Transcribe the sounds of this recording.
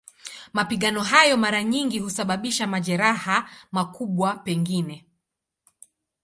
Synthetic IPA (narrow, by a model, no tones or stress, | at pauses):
mapiɠanɔɦajɔmaɾaɲiŋɡihusaɓaɓiʃamaʄɛɾahamakʰuɓwapɛŋɡinɛ